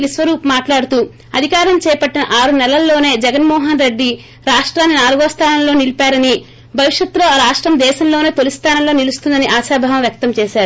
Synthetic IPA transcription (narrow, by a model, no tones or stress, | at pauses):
lisʋɐɾuːpmaːʈlaːɽut̪uː | ɐd̪ʱikaːɾɐmt͡ʃɛːpɐʈːinɐʔaːɾunɛlɐlːo̞ːne̞ːd͡ʒɛɡɐnmɔːɦɐnɾe̞ɖːi | ɾaːʂʈɾaːnːinaːluɡoːst̪ʰaːnɐmloːnilipaːɾɐni | bʱɐʋiʂjɐt̪ːlo̞ːɾaːʂʈɾɐmd̪ɛːʃɐmlo̞ːne̞ːt̪elust̪ʰaːnɐmlo̞ːnilust̪und̪ɐniʔaːʃaːbʱaːʋɐmʋjɐk̚t̪ɐmt͡ʃɛːʃaːɾu